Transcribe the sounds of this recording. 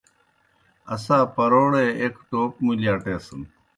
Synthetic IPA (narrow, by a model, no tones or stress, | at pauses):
ɐsãːpɐɾoːɽeekʈoːpmuljaːʈeːsən